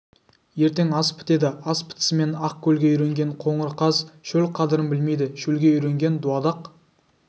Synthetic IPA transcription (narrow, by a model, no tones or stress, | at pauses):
je̞ɾt̪e̞ŋɑspʰɪ̥t̪e̞d̪ɪɑspʰɪ̥t̪sɪme̞nɑq̚kʲʰɵlɡʲe̞ʏɾe̞ŋɡʲe̞ɴqʰo̞ɴəɾqʰɑzʃɵlqʰɑd̪əɾənbɪlme̞jd̪ɪʃɵlɡʲe̞ʏjɾeŋɡʲe̞nd̪uɑd̪ɑq